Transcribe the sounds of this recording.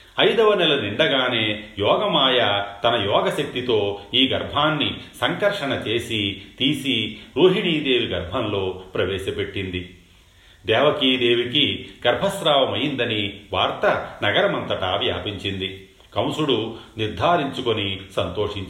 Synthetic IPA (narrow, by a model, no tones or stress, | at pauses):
ɐjd̪ɐʋɐnɛlɐniɳɖɐɡaːne̞ːjɔːɡɐmaːjaːt̪ɐnɐjɔːɡɐʃek̚t̪it̪o̞ːiːɡɐɾbʱaːnːisɐŋkɐɾʂɐnɐt͡ʃe̞ːsit̪iːsiɾuːɦiɽiːd̪e̞ːʋiɡɐɾbʱɐnlo̞ːpɾɐʋɛːʃɐpe̞ʈːind̪i | d̪ɛːʋɐkiːd̪e̞ːʋikiɡɐɾbʱɐsɾaːʋɐmɐjind̪ɐniʋaːɾt̪ɐnɐɡɐɾɐmɐnt̪ɐʈaːʋja̰ːpiɲt͡ʃind̪i | kɐwsuɽuniɾd̪ʱaːɾiɲt͡ʃukonisɐnt̪o̞ːʂiɲt͡ʃ